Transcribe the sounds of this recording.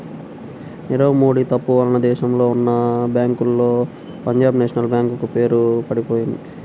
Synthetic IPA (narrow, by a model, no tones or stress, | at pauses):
niɾɐʋmoːɽit̪ɐpːuʋɐlɐnɐd̪ɛːʃɐmlo̞ːunːɐbjaːŋkulːo̞ː | pɐɲd͡ʒaːbneːʂɐnɐlbjaːŋkukupe̞ːɾupɐɽipoːjind̪i